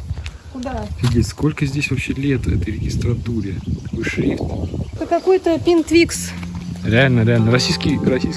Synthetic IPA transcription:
ʊd̪afʲɪdʲlʲitʲsko̞lʲkəzʲdʲesʲvɐpɕːelʲet̪vɛ̰t̪əjɾʲɪɡʲɪst̪ɾɐt̪uɾʲɪt̪ɐ̥kojʂɾʲift̪t̪əkɐkojt̪əpʲint̪vʲiksɾʲɪalʲnəɾʲɪalʲnəɾɐsʲijskʲijrɐsʲijs

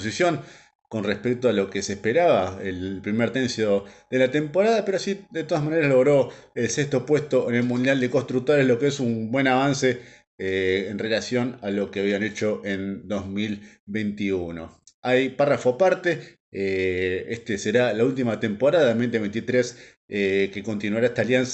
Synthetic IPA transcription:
osisjo̞ŋ | konrespek̚t̪oalo̞kesehpeɾaβaelpɾimeɾt̪ensjoðe̞lat̪empo̞ɾaðapeɾoasiðet̪o̞ðasmaneɾaslo̞ɣ̞ɾo̞elsest̪o̞pwe̞st̪oene̞lmũnd̪jald̪ekost̪ɾuk̚t̪oɾeslo̞keesumbwe̞naβ̞anse | enre̞lasjo̞nalo̞keaβiane̞t͡ʃo̞ʔend̪o̞zmil | βejnt̪iuno̞ | ajparafoapaɾt̪e̞ | eest̪eseɾalault̪̬imat̪e̞mpoɾaðaðemejnt̪eejnt̪it̪ɾes | ekeko̞nt̪inwaɾaeht̪aljans

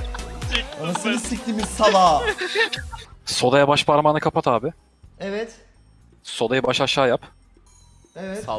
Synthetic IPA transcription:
oasɯnɯsic̚t̪imizsalˠaː | so̞d̪ajabaʃpaɾmanakʰapʰat̪ʰaːbɪ | evɛt̪ | so̞d̪ajɯbaʃaʃaːjap | evɛ

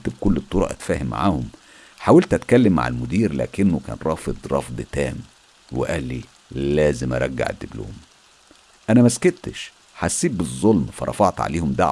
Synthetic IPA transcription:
t̪bkʊlːet̪ˤːoɾˤɑ̰ʔæt̪fæːhɪmːa̰ʕa̰ːhʊm | ħaːwælt̪ʔæt̪kælːɪmːa̰ʕa̰lmʊd̪iːɾlæ̰ːkɪnːʊkæ̰ːnɾˤɑːfed̪ˤɾˤɑ̰fd̪ˤt̪æːm | wḛʔæːlːi | læːzɪmʔɑ̰ɾˤɑɡːa̰ʕḛd̪ːiblo̰ːm | ʔænæmæsket̪ʃ | ħasːiːt̪̚bɨzˤːolmfɑɾˤɑ̰fɑʕt̪ʕa̰leːhʊmd̪aʕ

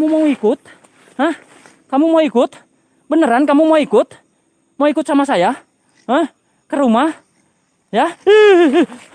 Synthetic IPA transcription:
mumauikʊt̪̚ | həh | kamumaikʊt̪ | bənəɾankamumaikʊt̪̚ | moikʊt̪̚samasaja | həh | kəɾumah | ja

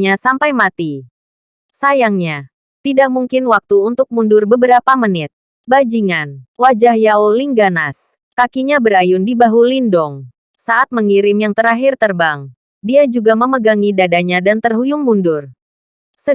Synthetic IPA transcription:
ɲasampajmat̪i | sajaŋɲa | t̪idak̚muŋkɪnwak̚t̪uunt̪ʊk̚mundʊrbəbəɾapamənɪt̪̚ | bad͡ʒiŋanwad͡ʒahjauliŋɡanas | kakiɲabəɾajʊndibaɦulindɔŋ | saʔat̪̚məŋiɾɪmjaŋt̪əɾaɦɪrt̪ərbaŋ | diad͡ʒuɡaməməɡaŋidadaɲadant̪ərɦujʊŋmundʊr | sə

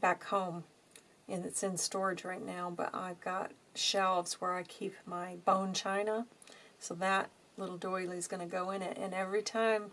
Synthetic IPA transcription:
b̥ækhõʊ̃m | ʔɨ̃nɨtsɨ̃nstɔɹɨd͡ʒɹaɪtⁿnaʊbʌ̰ɾa̰ɪvɡɑt̚ʃɛlˠvz̥wə˞aɪkʰipmaɪbõʊ̃nt͡ʃʰãɪ̃nəsoʊðət̚ | lɪɾl̩ˠdɔɪlˠizɡʌnɨɡoʊɨ̃nɪtɨ̰̃nɛvɹitʰãɪ̃m

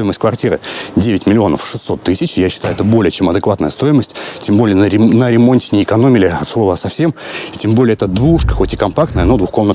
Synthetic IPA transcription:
ojɪməsʲtʲkvɐrtʲiɾɨ̰dʲevʲɪtʲmʲɪlʲɪo̞nə̰fʂɨ̥sːo̞t̪ːɨsʲɪt͡ɕɪjaɕːɪ̥t̪ajʊɛt̪əbo̞lʲɪjət͡ɕe̞mɐd̪ɨkvat̪nəjəst̪o̞jɪməsʲtʲtʲembo̞lʲɪjənəɾʲɪmo̞nʲtʲɪnʲɪːɪkɐno̞mʲɪlʲɪɐt̪slˠo̞vəsɐfsʲe̞mɪ̥tʲembo̞lʲɪəɛt̪əd̪vuʂkəxo̞tʲɪ̥kɐmpakt̪nəjənod̪vʊxko̞mnət̪

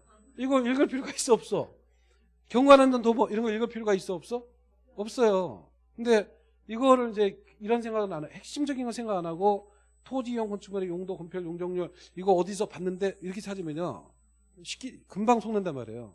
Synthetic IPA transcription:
iɡʌiɭɡɯɭpʰjoɾɭɡais͈uʌp̚s͈ʌ | kjʌŋɡanandʌntobʌʔiɾʌnɡʌiɭɡɯɭpʰoɾoɡais͈uʌp̚s͈ʌ | ʌp̚s͈ʌjo | kɯnde̞ | iɡʌɾɯɾid͡ʑe̞ | iɾʌnsʰeŋɡaɡɯnanahe̞k̚ɕ͈imd͡ʑʌɡinɡʌsʰe̞ŋɡaɡanaɡo | tʰod͡ʑijoŋkʌnt͡ɕʰumʌɾejoŋdokʌmpʰjʌɭjoŋd͡ʑʌŋɲoɭiɡʌʌdis̬ʰʌpanːɯnde̞iɾʌkʰesʰad͡ʑimjʌɲa̰ | ɕʰi̥k͈ikɯmbaŋsʰoŋnandanma̰ɾe̞̰jo̰

